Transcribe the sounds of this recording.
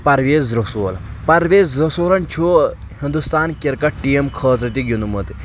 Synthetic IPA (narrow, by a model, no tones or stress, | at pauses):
pɐɾʋeːzɾosoːlɐ | pɐɾʋeːzɾosoːɾɐnt͡ʃʰu | hind̪ust̪aːnkiɾkɐʈʈːijemkʰəːt̪̬ɾɐt̪̬iɡʲinumɐt̪i